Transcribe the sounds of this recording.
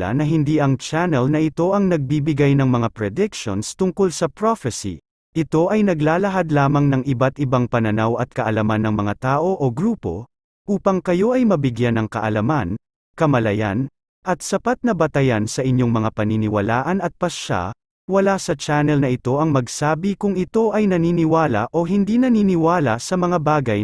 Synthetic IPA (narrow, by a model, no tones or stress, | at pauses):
a̰nɐɦɪnd̪iʔɐŋt͡ʃanɛlnɐɪt̪o̞ʔɐŋnɐɡ̚bibɪɡajnɐŋmɐŋapɹɛd̪ɪkʃonst̪ʊŋko̞lsɐpɹofɛsḭ | ʔɪt̪o̞ʔɐjnɐɡlaːlɐɦad̪laːmɐŋnɐŋʔɪbat̪ɪbaŋpɐnɐnawɐt̪̚kɐʔɐlɐmanːɐŋmɐŋat̪aːʔo̞ʔoɡɾuːpo̞̰ | ʔuːpɐŋkɐjo̞ʔɐjmɐbɪɡjanɐŋkɐ̰ʔɐlɐman | kɐmɐlɐja̰n | ʔɐt̪̚sɐpat̪̚nɐbɐt̪ɐjansɐʔɪɲjo̞ŋmɐŋapɐninɪwɐlaːʔɐnɐt̪̚pɐsʃa̰ | wɐlasɐt͡ʃanɛlnɐʔɪt̪o̞ʔɐŋmɐɡsaːbikʊŋɪt̪o̞ʔɐjnɐniːnɪwaːlɐ̰ʔo̞ɦɪnd̪inɐniːnɪwaːlɐsɐmɐŋabaːɡɐj